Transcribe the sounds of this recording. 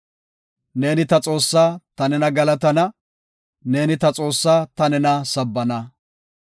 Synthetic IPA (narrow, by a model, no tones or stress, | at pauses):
ne̞ːnɪt̪ɐt͡sʼo̞ːsːaːt̪ɐnɛnɐɡɐlɐt̪ɐnɐ | ne̞ːnɪt̪ɐt͡sʼo̞ːsːaːt̪ɐnɛnɐsɐbːɐnɐ